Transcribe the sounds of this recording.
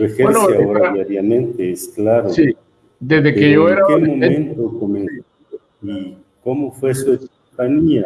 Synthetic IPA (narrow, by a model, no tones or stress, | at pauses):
exeɾnoseaoɾaaiaɾjamẽnt̪eesklaɾosi | d̪ezðekeʝoeɾakemmomeẽnt̪okomẽns | i | komofwesuekompaɲia